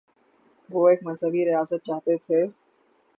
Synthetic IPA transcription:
ʋoːeːkmɐzɦəbiɾijaːsət̪̚t͡ʃaːɦt̪et̪ʰe

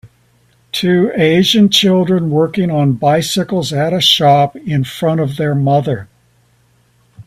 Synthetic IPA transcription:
tʰʉeɪʒɨ̃nt͡ʃʰɪlˠdɹɨ̃nwɜ˞kɪ̃ŋə̃nbaɪsɨkl̩ˠzɨɾɨʃɑpɪ̃nfɹʌ̃ɾ̃ʌvðə˞mʌðə˞

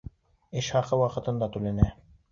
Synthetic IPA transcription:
ɘʃhɑqɤwɑqɤ̆t̪ɤ̆nd̪ɑt̪ʉlænæ

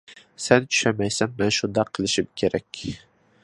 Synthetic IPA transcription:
sɛnt͡ʃʰʊ̥ʃamæjsænmɛnʃʊnd̪ɑqʰːɨlˠɪʃɪmkʲʰeɾækʲ

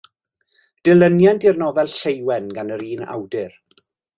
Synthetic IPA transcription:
d̥ɪlˠənjandɪrnɔvɛlˠɬejwɛnɡanəɾiːna̰wdɪr

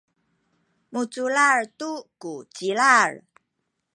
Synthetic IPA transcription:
mut͡sulaɹtukut͡silaɹ

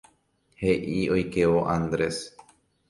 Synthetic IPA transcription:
heʔiojkeʋoʔãnd̪ɾes

